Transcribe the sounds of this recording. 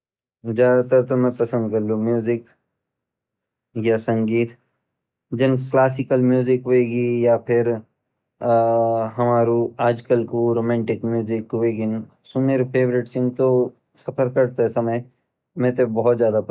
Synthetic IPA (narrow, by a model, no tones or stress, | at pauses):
zjaːd̪at̪ɐɾt̪omɛ̃pɐsə̃nd̪kɐɾlũmjuːzɪk | jasɐ̃ŋɡiːt̪ | d͡ʒɪnklaːsɪkəlmjuːzɪkʋeːɡijapʰɪɾ | ɦɐmaːɾuaːd͡ʒkəlkoɾoːmɛ̃ːɳʈɪkmjuːzɪkːʋeːkɪn | sʊmeɾpʰeːbɾɪʈsɪ̃nt̪o | sɐpʰəɾkɐɾt̪eɦɛsɐməj | mɛ̃t̪obɔɦt̪zjaːd̪ap